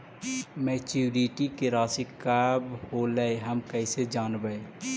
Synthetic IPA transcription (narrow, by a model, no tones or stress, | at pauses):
meːt͡ʃuːɾiʈikeɾaːsikabholəeɦəmkəɪsed͡ʒaːnbəe